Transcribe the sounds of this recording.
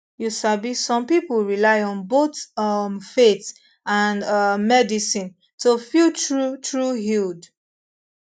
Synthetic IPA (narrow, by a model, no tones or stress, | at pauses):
jusabisɔ̃mpipuɹilaɪɔ̃nbotʌmfet | ãnʌmɛdisĩn | tofiult͡ʃɹutɹuɦild